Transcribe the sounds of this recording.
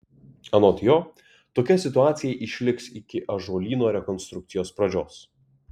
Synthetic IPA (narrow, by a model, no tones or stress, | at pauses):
ɐnot̪ʲjoː | t̪oːkʲɛsʲɪt̪ʊaːt̪sʲɪjɛɪʔɪʃʲlʲɪksɪkʲɪʔɐʒoːlʲiːnoːɾʲɛkɔnst̪ɾʊk̚t̪sʲɪjoːspɾɐd͡ʒʲoːs